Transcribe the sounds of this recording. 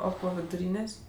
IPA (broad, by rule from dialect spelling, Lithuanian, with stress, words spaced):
ˈoː ˈpoː ʋʲɪdʊˈrʲiːnʲeːsʲ